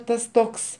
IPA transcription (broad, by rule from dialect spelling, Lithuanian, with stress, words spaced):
ˈtɐs ˈtoːks